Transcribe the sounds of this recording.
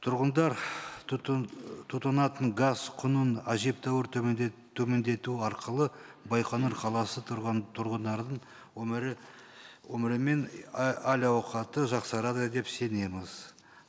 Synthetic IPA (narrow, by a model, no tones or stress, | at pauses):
t̪ʰʊɾʁənd̪ɑɾ | t̪ʰut̪ɑnɑt̪əɴɡazqʰʊnənæʒip̚t̪ʰɑwɪɾt̪t̪ʰːɵme̞nd̪e̞t̪uɑɾqəlˠə | bɑjqʰɑnuɾqʰɑlˠɑsətt̪ʰʊɾʁənd̪ɑɾd̪əɴ | wɵmɪɾ | wɵmɪɾɪme̞nælʲɑwqɑt̪əʒɑqsɑɾɑd̪əd̪e̞pse̞ne̞mɪz̥